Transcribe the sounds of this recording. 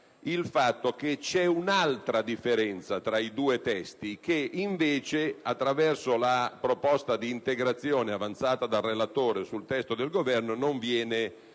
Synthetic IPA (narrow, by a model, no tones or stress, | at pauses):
ilfat̪ːoket͡ʃɛunalt̪ɾad̪ifːeɾɛnt̪sat̪ɾaid̪uːet̪ɛst̪ik̟eiɱveːt͡ʃeat̪ːɾavɛrsolapɾopɔst̪ad̪iːnt̪eɡɾat̪sːjoːneavant̪saːt̪ad̪arːelat̪oːɾesult̪ɛst̪od̪elɡovɛrnonoɱvjɛːne